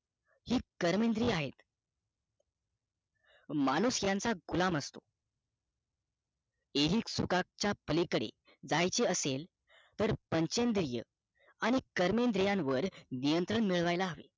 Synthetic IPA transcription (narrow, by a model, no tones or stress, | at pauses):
hiːkəɾmend̪ɾiːaɦet̪ | manusjant͡saɡulaməst̪o | eɦiːksukak̚t͡ɕjapəlekəɽḛ | d͡zajt͡ɕeəsel | t̪əɾpəɲt͡ɕend̪ɾijə̰ | aɽ̃ikəɾmend̪ɾijãnʋəɾnijənt̪ɾəɳmiɭʋajlaɦəʋḛ